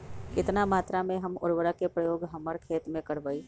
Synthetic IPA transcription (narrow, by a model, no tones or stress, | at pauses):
kɪt̪namaːt̪ɾamẽɦɐmʊɾʋəɾakepɾɐjoːɡɦɐməɾkʰeːt̪mẽkɐɽʋəi